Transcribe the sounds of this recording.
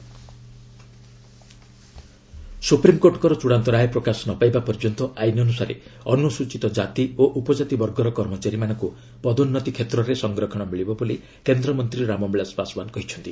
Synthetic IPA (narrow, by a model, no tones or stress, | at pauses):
supɾimkoɾʈkɔɾɔt͡ʃuɽant̪ɔɾajpɾɔkasɔnɔpajbapɔɾd͡ʒɔnt̪ɔʔajnɔnusaɾḛɔnusut͡ʃit̪ɔd͡ʒat̪ioʔupɔd͡ʒat̪ibɔɾɡɔɾɔkɔɾmɔt͡ʃaɾimanɔŋku | pɔd̪unːɔt̪ikʰet̪ɾɔɾesɔŋɡɾɔkʰɔɽ̃ɔmiɭibɔbɔli | kend̪ɾɔmɔnt̪ɾiɾamɔmeɭasbasɔbankɔɦit͡ʃʰɔnt̪i